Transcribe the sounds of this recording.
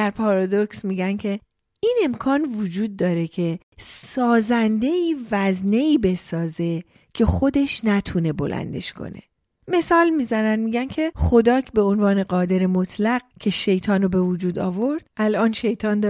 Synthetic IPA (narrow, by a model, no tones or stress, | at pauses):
æɾpʰɒːɾɒd̪oksmiːɟæncʰe̞ | iːne̞mkʰɒːnvud͡ʒuːd̪̚ːɒːɾe̞cʰe̞ | sɒːzænd̪e̞iːvæzne̞iːbe̞sɒːze̞ | cʰe̞xo̞d̪e̞ʃnæt̪ʰune̞bo̞̰lʔæ̰nd̪e̞̰ʃkʰo̰ne̞̰ | me̞sɒːlmiːzænænmiːɟæncʰe̞χo̞d̪ɒːcʰbe̞onvɒːne̞ɢɒːd̪e̞ɾemo̞t̪ʰlæɡ̚cʰe̞ʃe̞jt̪ʰɒːnobe̞vud͡ʒuːd̪ɒ̰ːvo̞ɾd̪̥̚ælʔɒːnʃe̞jt̪ʰɒːnd̪